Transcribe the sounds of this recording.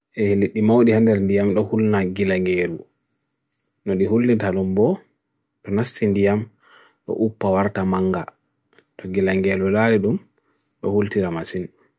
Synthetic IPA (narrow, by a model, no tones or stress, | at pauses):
ʔɛhliɗːimawɗihandɛɾndijamɗɔhulnaɡilaŋɡelu | nɔɗiɦulːitaɗumbɔ | tɔnasːindijam | ɗɔ̰ʔupːawaɾtamaŋɡa̰ | tʰɔɡilaŋɡelulaɾiɗum | ɗɔ̰hultiɾamasin